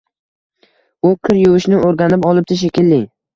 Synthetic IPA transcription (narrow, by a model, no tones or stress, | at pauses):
ʊqʰɨɾjʊwɪʃnɪoɾɡʲanɪpɒlˠɪp̚t̪ʰɪʃ̬ekʲɪlːɪ